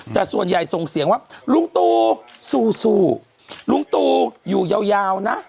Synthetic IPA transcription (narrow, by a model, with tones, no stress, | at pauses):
t̪ɛː˨˩su˨˩ənja˨˩jso˨˩ŋsi˨˩˦əŋwaː˧˥˩lu˧˥ŋt̪uː˧suː˧˩suː˧˩ | lu˧˥˦ŋt̪uː˧juː˨˩ja˧wjaː˧wna˦˥ʔ